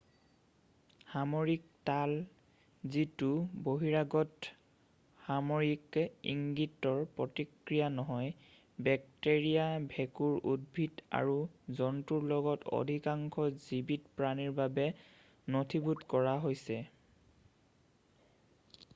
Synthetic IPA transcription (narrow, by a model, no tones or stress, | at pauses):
hamoɹiktal | zituboɦiɹaɡɔt | hamoɹikḭŋɡitːɔɹpɹɔtikɹijanɔɦɔj | bɛk̚teɹijabʱɛkuɹṵd̚bʱida̰ɹuzɔntuɹlɔɡɔto̰dʱikaŋkʰɔzibitpɹaniɹbabɛ | notʰibutkɔɹaɦojsɛ